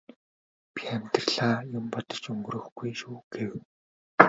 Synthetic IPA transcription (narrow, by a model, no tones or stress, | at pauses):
pʲiæmʲt̪rɮaːjʊmpɔt̪ɞ̥̆t͡ɕɵŋɡɵrɵ̆xɡujʃuːɡ̥ew